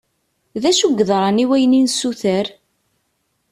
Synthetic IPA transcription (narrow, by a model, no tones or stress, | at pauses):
ðæʃuɡːðˤɾˤɑniwæjninsuθəɾ